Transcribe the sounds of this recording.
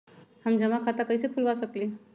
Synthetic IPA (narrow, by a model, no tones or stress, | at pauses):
həmd͡ʒəmakʰat̪akəjsepʰulbasəkli